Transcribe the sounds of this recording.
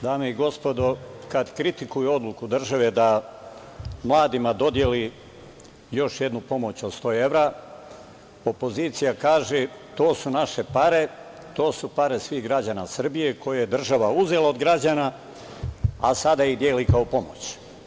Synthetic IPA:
d̪aːmeiɡo̞spo̞d̪okad̪kɾit̪ikujuo̞d̪lˠukud̪r̩ʒaʋe̞d̪a | mlˠaːd̪imad̪o̞d̪je̞li | jo̞ʃje̞d̪nupo̞mo̞t͡ɕod̪st̪o̞ːe̞ʋɾa | o̞po̞zit̪sijakaːʒe | t̪o̞ːsunaʃe̞paɾe̞ | t̪o̞ːsupaɾe̞sʋiɣɡɾad͡ʑanasr̩bije̞ko̞jajed̪r̩ʒaʋauze̞leod̪ɡɾad͡ʑana | asad̪aid̪jeːlikaopo̞mot͡ɕ

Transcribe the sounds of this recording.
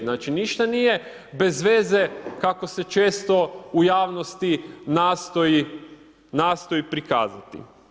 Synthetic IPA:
naːt͡ʃiniʃt̪anije̞ | be̞zʋe̞ːze̞kako̞se̞t͡ʃe̞ːst̪o̞ujaːʋno̞st̪inaːst̪oi | naːst̪o̞ipɾika̰ːzat̪ḭ

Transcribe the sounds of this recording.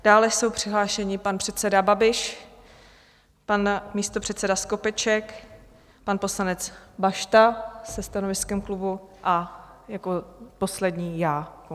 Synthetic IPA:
d̥aːlɛso̞wpr̥ɪɦlaːʃɛɲɪpanpr̥ɛt̪sɛdababɪʃ | panmiːst̪o̞pr̝̥ɛt̪sɛdasko̞pɛt͡ʃɛk | panpo̞slanɛt͡sbaʃt̪asɛst̪ano̞vɪskɛmklubuʔajakopo̞slɛdɲiːjaːko

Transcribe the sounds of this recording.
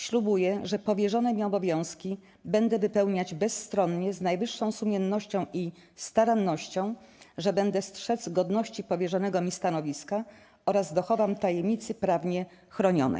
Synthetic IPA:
ɕlubujɛʐɛpɔvʲjɛʐɔnɛmʲiɔbɔvʲjɔ̃w̃skʲi | bɛnd̪ɛvɘpɛwɲad͡ʑbɛsːt̪ɾɔnɲɛznajvɘʂːɔ̃w̃sumʲjɛnːɔɕt͡ɕɔ̃w̃ʔi | st̪aɾanːɔɕt͡ɕɔ̃w̃ | ʐɛbɛnd̪ɛstʂɛd̪zɡɔd̪nɔɕt͡ɕipɔvʲjɛʐɔnɛɡɔmʲist̪anɔvʲiska | ɔɾazd̪ɔxɔvamt̪ajɛmɲit̪sɘpɾavɲɛ | xɾɔɲɔ̰nɛ̰j

